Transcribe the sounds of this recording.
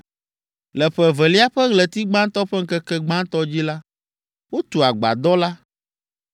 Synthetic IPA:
lɛ˨ɸɛ˨vɛ˨li˦a˦ɸɛ˦ɣlɛ˨t̪i˦ɡ͡bã˦n˦t̪ɔ˦ɸɛ˦ŋ̩˦kɛ˦kɛ˦ɡ͡bã˦nt̪ɔ˦d͡ʑi˦la˦ | wo˦t̪u˨a˨ɡ͡ba̰˨d̪ɔ˦la˦

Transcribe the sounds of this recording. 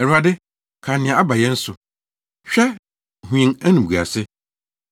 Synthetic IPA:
ɛ˨ɾu˨a˨dɪ˦ | kʰa˨nɪ̃˨ã˨a˦ba˨jɛ̃˦n̩˦sʊ˨ | ɕᶣɛ˦ | hũ˨ĩ˨ŋæ˦nũ˨bu˨a̰˨sɪ˦

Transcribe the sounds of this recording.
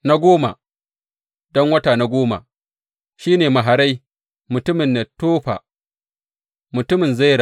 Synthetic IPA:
na˦ɡʷoː˦ma̰˨ | dɔ˦ŋwɐ˦taː˨na˦ɡʷoː˦ma̰˨ | ʃiː˦neː˨ma˨ɦa˨ɾa˦j | mʊ˨tʊ˦mɪ˨nːe˨toː˦ɸa̰ː˨ | mʊ˨tʊ˦mɪ˨nza˦˨ɾa˨

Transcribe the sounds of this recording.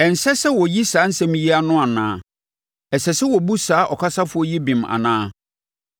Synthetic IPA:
ɛ˨n̩˨sɛ˦sɛ˦wɔ˨ji˦saː˨˦n̩˦sɛ̃˦m˦ji˦a˦nʊ̃˦a˨nã̰ː˨˦˨ | ɛ˨sɛ˨sɛ˦wɔ˨bu˦saː˨˦ʔɔ˨kʰa˦sa˦fʊ˨ɔ˦ji˦bĩ˨ma̰˨nãː˦˨

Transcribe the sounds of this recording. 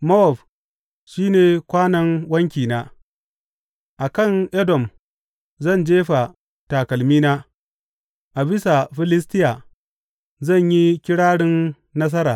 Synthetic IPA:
mɔ˦ɔ˨ɸ | ʃiː˦neː˨kʷaː˦nɐ˦ŋwɐ˦ŋkʲiː˨naː˦ | ʔa˨kɐ˦˨ŋʔɛ˦dɔ˨m | zɐ˦˨nd͡ʒeː˦ɸa˨ | ta˨kɐ˨lmiː˦naː˦ | ʔa˨bɪ˦sa˨ɸɪ˦lɪ˦stɪ˦ja˨ | zɐ˦˨ɲji˦kʲɪ˦ɽaː˦ɽɪ˦nː | ɐ˦s̬ɐ˦ɾaː˨

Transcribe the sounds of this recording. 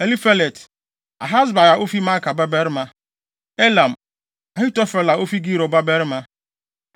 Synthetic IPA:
e˨li˦fa˦le˨t | a̰˨ɦa˦zba˨ja˨ʔo˦fi˦ma˦ka˨ba˦be˦ɾɪ˦ma˦ | e˦la˨m̩˨ | a˨ɦɪ˦tɔ˦fe˨la˨o˦fi˦ɡi˦ɾo˨ba˦be˦ɾɪ˦ma˦

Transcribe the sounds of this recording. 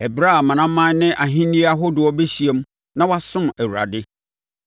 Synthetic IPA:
ɛ˨bɾa˦˨mã˨nã˦mã˦n˦nɪ̃˦ʔa˨ɦĩ˦nĩ˦a˦ɦʊ˦dʊ˨ɔ˦be˦ɕi˨e˦m˦ | nã˦wa˦sʊ̃˦mæ˨wu˨ɾa̰˨dɪ˦

